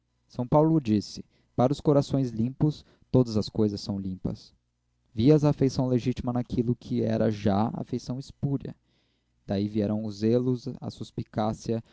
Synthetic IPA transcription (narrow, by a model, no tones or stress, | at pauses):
sɐ̃w̃pawlʊd͡ʒisɪ̥ | paɾʊskoɾasõj̃zlĩpʊs | t̪od̪ɐzɐskojzɐsːɐ̃w̃lĩpɐ̰s | viɐzaːfejsɐ̃w̃leʒit͡ʃimɐnakʰilʊkʰɪɛ̰ɾɐʒaa̰fejsɐ̃w̃ispuɾɐ̰ | d̪̥aiviɛɾɐ̃w̃ʊzelʊzɐ̰suspikasiɐ